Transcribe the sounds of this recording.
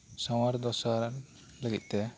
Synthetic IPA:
sɔwaɾd̪ɔsaɾn | ləɡḭt̪̚ˀt̪ɛ

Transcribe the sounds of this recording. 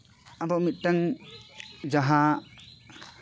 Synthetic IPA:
ad̪ɔwmit̪̚ʈaŋ | d͡ʒaɦa

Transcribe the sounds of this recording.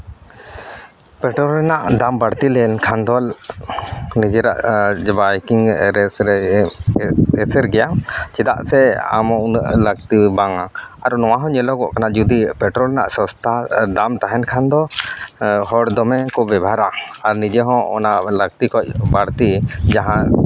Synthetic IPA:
pɛʈɾɔlɛnaʔd̪ambaɽt̪ilɛnkʰand̪ɔl | nid͡ʒɛɾa̰ʔbajkiŋɾɛsɾɛ | ɛsɛɾɡɛjat͡ʃɛd̪a̰ʔsɛa̰mɔʔnaʔləɡ̚t̪ibaŋaaɾnɔwaɦɔ̃ɲɛlɔkɔʔkanaʔd͡ʒud̪ipɛʈɾɔlɛna̰ʔsɔ̃st̪ʰad̪amt̪aɦɛnkʰand̪ɔ | hɔɽd̪ɔmɛkɔbɛbʱaɾaaɾnid͡ʒɛɦɔ̃ɔ̰naʔləɡ̚t̪ikɔc̚baɽt̪id͡ʒaɦã

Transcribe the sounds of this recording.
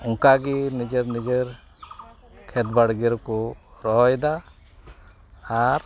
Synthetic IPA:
uŋkaɡinid͡ʒəɾnid͡ʒəɾ | kʰɛt̪baɽɡiɾkɔɾɔɦɔjd̪a | ɾ

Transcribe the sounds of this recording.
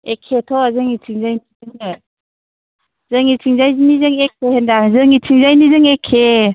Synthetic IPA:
ekʰːetʰɔzɯŋitʰiŋzajnizɯŋɯ | zɯŋitʰiŋzajzinizɯŋek̚ʰːehendaŋzɯŋitʰiŋzajnizɯŋekʰːe

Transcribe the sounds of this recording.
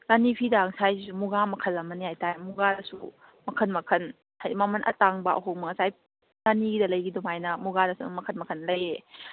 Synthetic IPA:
lanipʰidaŋsajsumuɡamɐkʰɐlɐmɐnijajtaemuɡadɐsu | mɐkʰɐnmɐkʰɐn | hajdimamɐnʔɐ̰taŋbɐʔɐ̰ɦoŋmɐŋsaj | laniɡidɐlɐjɡidumajnɐmuɡadɐsumɐkʰənmɐkʰɐnlɐje

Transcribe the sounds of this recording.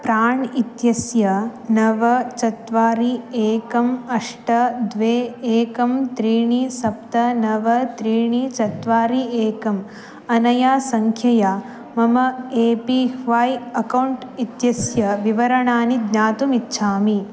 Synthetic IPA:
pɾaːɳit̪jɐsjɐnɐʋɐt͡ʃɐt̪ʋaːɾieːkɐmɐʂʈɐd̪ʋeːeːkɐmt̪ɾiːɳisɐp̚t̪ɐnɐʋɐt̪ɾiːɳit͡ʃɐt̪ʋaːɾieːkɐm | ɐnɐjaːsɐŋkʰjɐjaː | mɐmɐeːpihʋaːjɐkɐwɳʈit̪jɐsjɐʋiʋɐɾɐɳaːnid̪naːt̪umitːʃʰaːmi

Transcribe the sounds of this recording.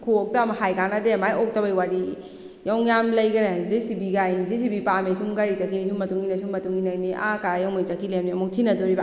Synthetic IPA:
kʰuɔk̚tɐmhajkanɐdemajɔk̚tɐbajwaɾi | jawŋjamlɐjɡɐnɐzisibiɡajzis̬ibipamesuŋɡaɾit͡ʃakʰinis̬uŋmɐtuŋinɐsuŋmɐtuŋinajniʔakaɾajawmajt͡ʃakʰilemniɐmuk̚tʰinɐdɔɾiba

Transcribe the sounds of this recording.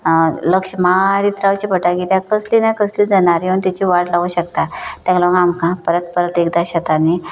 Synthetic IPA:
ləkʂmaɾit̪ɾawt͡ɕipəʈaɡiljakəslinakəsliːd͡zənaɾjunt̪at͡ɕiʋaɽlaɡuɕəkt̪at̪jãklaʋɡamkãpəɾət̪pəɾət̪ekd̪aɕat̪ani

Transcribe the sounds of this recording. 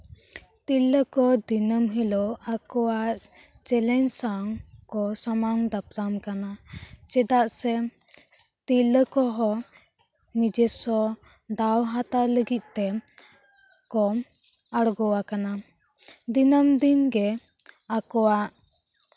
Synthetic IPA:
t̪iləkɔd̪inəmɦɛloakɔwaʔ | t͡ʃɛlɛnsaŋkɔsamaŋd̪apɾamkanat͡ʃɛd̪aʔsɛ | t̪ilːəkɔɦɔ | nid͡ʒɛsɔ | d̪awɦat̪aləɡit̪̚ˀt̪ɛ | kɔm | aɽɡɔwakana | d̪inəmd̪inɡɛ | akɔwaʔ

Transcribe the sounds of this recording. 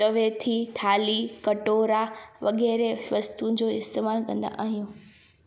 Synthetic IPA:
t̪ɐʋeːt̪ʰit̪ʰaːlikɐʈoːɾaʋɐɠɛːɾeʋɐst̪ũd͡ʑoːɪst̪eːmaːlkɐ̃nd̪a̰ʔaːɦijũː

